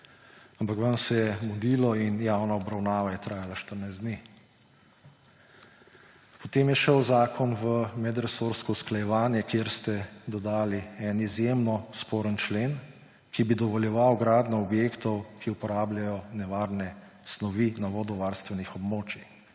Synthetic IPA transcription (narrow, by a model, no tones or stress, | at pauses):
ampakʋansɛjɛɡɔd̪iːlɔinjaːwnaɔbɾawnaːʋajɛt̪ɾaːjalaʃt̪əɾnajzd̪neː | pɔt̪eːmjɛʃəwzaːkʰɔnʋəmɛd̪ɾɛsoɾskɔusklajɛʋaːnjɛkjeɾst̪ɛd̪ɔd̪aːliɛnizjemnɔspɔːɾənt͡ʃleːn | kibid̪ɔʋɔljɛʋawɡɾaːd̪nɔɔbjeːkt̪ɔwkʰiupɔɾaːblʲjajɔnɛʋaɾnɛ | snɔʋinaʋɔːd̪ɔʋaɾst̪ʋɛnixɔbmoːt͡ʃi